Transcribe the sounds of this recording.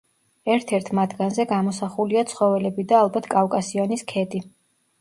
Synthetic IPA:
ɛɾt̪ʰɛɾt̪ʰmat̪ɡanzɛɡamɔsaχuliat̪sʰχɔvɛlɛbid̪aːlˠbat̪ʰkʼafkʼasiɔniskʰɛd̪ʼi

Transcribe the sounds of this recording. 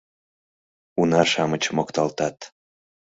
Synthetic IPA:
unɑʃɑmət͡ɕmokt̪ɑlt̪ɑt̪

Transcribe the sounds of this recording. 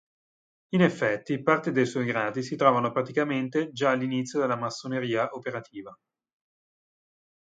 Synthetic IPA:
inefːɛt̪ːipart̪ed̪ejswɔjɡɾaːd̪isit̪ɾɔːvanopɾat̪ikament̪ed͡ʒaːlːinit̪sːjod̪elːamasːoneɾiːaʔopeɾat̪ʰiːva

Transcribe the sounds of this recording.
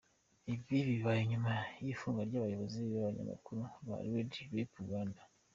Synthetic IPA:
ibjiβiβajoɲumajifuːŋɡaɾɟaːβajo̞βo̞ziβiβaβaɲa̰ma̰kuɾuβa̰ɾiwediɾepuɡaːnda

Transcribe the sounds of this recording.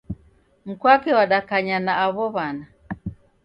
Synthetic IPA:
m̩kwakɛwaɗakaɲanaːβɔβana

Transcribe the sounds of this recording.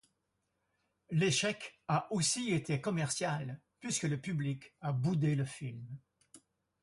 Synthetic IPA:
leʃɛkaʔosiet̪ʰekɔmɛʁsjal | pɥiskələpyblikabud̪eləfilm

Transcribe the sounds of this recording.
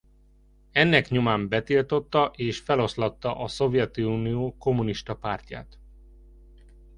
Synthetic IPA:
ɛnːɛkɲomaːmbɛt̪ilt̪o̞t̪ːɒʔeːʃfɛlo̞slɒt̪ːɒʔɒso̞vjɛt̪iuːnijoːko̞muniʃt̪ɒpaːrc̪ja̰ːt̪

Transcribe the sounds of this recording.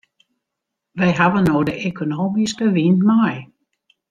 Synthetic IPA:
ʋɛjɦaʋənoːdəʔekʰonoːmiskəʋinmaj

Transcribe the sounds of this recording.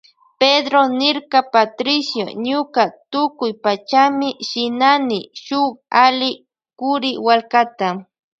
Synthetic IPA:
ped̪ɾonɪɾkɑpat̪ɾɪsjo̰ɲʊkat̪ʊkʊjpat͡ʃamɪʃɪnanɪʃʊχalɪ | kʊɾɪwalkat̪a

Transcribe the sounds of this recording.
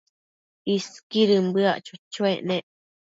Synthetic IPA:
iskiɾɨmbɨaʔt͡ʃut͡ʃueʔneʔ

